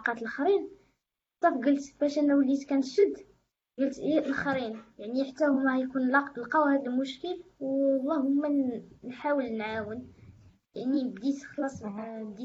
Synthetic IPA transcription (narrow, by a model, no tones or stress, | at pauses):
ɑqɑt̪əlxɾin | t̪ˤɑfɡəlt̪b̥æʃʔənːæwlːit̪kænt̪ʃəd̪ː | ɡəlt̪ːæʔəlxɾinjaʕniħət̪ːæhʊmːæjkunlqɑwhæd̪əlmʊʃkəlwlˤːɑhʊmːænħawəlnʕawən | jaʕnibd̪it̪xlɑsˤbd̪i